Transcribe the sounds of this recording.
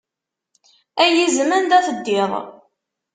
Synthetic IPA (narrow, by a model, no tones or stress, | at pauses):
æjizmənd̪æθəd̪ːɪðˤ